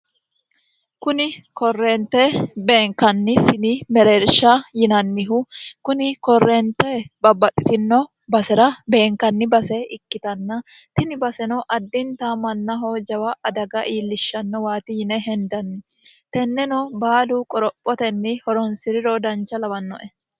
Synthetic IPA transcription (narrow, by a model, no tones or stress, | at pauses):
kʊnɪkɔrːeːnt̪ɛbe̞ːŋkɐnːɪsɪnɪmɛɾeːɾʃɐjɪnɐnːɪɦʊkʊnɪkɔrːɛːnt̪ːɛbɐbːɐt̪ʼːɪt̪ɪnːɔ | bɐsɛɾɐbe̞ːŋkɐnːɪbɐsɛɪkːɪt̪ɐnːɐ | t̪ɪnɪbɐsɛnɔʔɐd̪ːɪnt̪aːmɐnːɐɦoːd͡ʒɐwɐʔɐd̪ɐɡɐʔiːlːɪʃːɐnːɔwaːt̪ɪjɪnɛɦɛnd̪ɐnːɪ | t̪ɛnːɛnɔbaːluːkʼɔɾɔpʼːɔt̪ɛnːɪhɔɾɔnsɪɾɪɾoːd̪ɐnt͡ʃːɐlɐbɐnːɔ̰ʔɛ